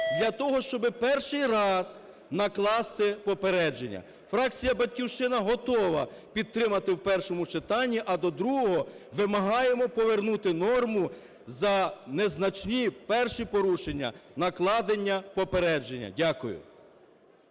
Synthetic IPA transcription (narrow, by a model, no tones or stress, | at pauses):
d̪lʲɐt̪ɔɦɔʃt͡ʃɔbɪpɛrʃɪjrɑz̥ | nɐklˠɑst̪ɪpɔpeɾɛd͡ʒḛnʲːɐ̰ | fɾɑkt͡sʲijɐbɐdʲkʲiwʃt͡ʃɪnɐɦɔt̪ɔʋɐ | pʲid̪̚t̪ɾɪmɐt̪ɪwpɛrʃɔmʊt͡ʃɪt̪ɑnʲːiʔɐd̪ɔd̪ɾuɦɔɦɔʋɪmɐɦɑje̞mɔpɔʋernut̪ɪnɔrmʊ | zɐneznɐt͡ʃnʲipɛrʃipɔɾuʃenʲːɐ̰nɐklˠɑd̪enʲːɐpɔpeɾɛd͡ʒenʲːɐ̰dʲakʊjʊ̰